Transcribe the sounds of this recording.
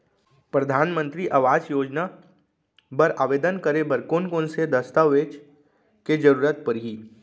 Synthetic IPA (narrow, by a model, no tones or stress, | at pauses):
pɾɐd̪ʱaːnmə̃nt̪ɾiʔaʋaːd͡ʒjoːd͡ʒna | bɐɾaːʋeːd̪ənkəɾebɐɾkoːnkõnsed̪ɐst̪aʋeːt͡ʃ | ked͡ʒəɾuːɾət̪̚pɐɾɦiː